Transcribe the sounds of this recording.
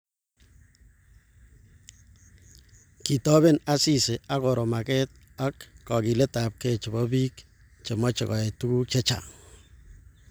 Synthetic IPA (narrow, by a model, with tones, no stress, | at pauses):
ki˨tɔ˦βe˦na˦si˦˨se˨a˦koɾo˨ma˨kɛt̚ | a˦kːɔ˨ki˨le˦ta˨p̚ket͡ʃɪ˨bɔ˦biː˦k | t͡ʃe˨mɔ˦t͡ʃe˨kɔ˨e˨tu˦ku˦t͡ʃɛ˦t͡ʃa̰˨